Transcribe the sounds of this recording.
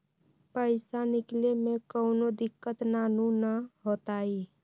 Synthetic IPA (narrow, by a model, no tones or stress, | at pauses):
pəɪsaniklemekəʊnod̪ikːət̪nanunəɦot̪ai